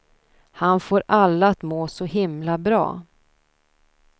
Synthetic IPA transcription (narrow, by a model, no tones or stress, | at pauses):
hanfoːɾalːaːt̪moːsɔhɪmlabɾɑ̰ː